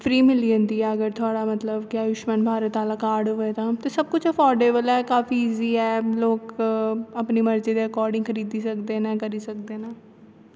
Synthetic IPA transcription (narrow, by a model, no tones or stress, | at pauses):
pʰɾiːmɪliːənd̪iːaːəɡəɾt̪ʰʊaːɽaːmət̪ləbkɪaːjʊʃmənbʱaːɾət̪aːlaːkaːɾɖɦoːet̪ãːt̪eːsəb̚kʊt͡ʃʰəkɔːɾɖeːbəlɛːkaːfiːiːziːɛːloːk | əpniːməɾd͡ʒeːd̪eːəkɔːɾɖɪ̃ŋɡkʰəɾiːd̪iːsəkd̪eːnɛ̃ːkəɾiːsəkd̪eːnãː